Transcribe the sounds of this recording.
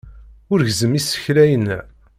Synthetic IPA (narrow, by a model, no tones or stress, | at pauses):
ʊɾʝzəmisə̥çlæjən